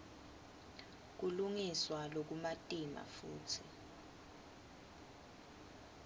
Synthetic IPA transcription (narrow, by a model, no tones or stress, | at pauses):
k̬uluŋiswalok̬umatʼima̰fuːtʰi